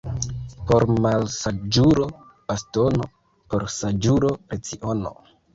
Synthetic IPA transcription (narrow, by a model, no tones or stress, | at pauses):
po̞ɾmalsad͡ʒuɾo̞ | b̥astono | poɾsad͡ʒuɾo̞ɾet͡siʔono̰